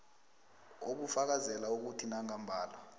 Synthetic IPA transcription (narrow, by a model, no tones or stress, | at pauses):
okufak̬azɛlauk̬utʰinaŋambʱaːlwa